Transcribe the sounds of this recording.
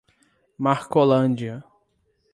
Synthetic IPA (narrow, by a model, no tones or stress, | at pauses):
maɾkolɐ̃d͡ʒiɐ